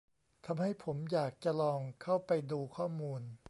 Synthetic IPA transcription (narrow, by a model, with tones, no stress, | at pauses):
t̪ʰa˧mha˥˩jpʰo˩˦mjaː˨˩k̚t͡ɕa˧lɔː˧ŋkʰa˥˩wpa˧jduː˧kʰɔː˥˩muː˧n